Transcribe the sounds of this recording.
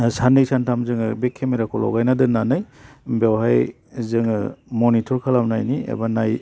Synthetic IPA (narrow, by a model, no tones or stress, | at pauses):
sanisantʰamzɯŋɯbekʰːemiɾakʰɔlɔ̰ɡajnadɯnanɯjbawɦaj | zɯŋɯ̰mɔnitʰɔɾkʰalamnajniḛbanaj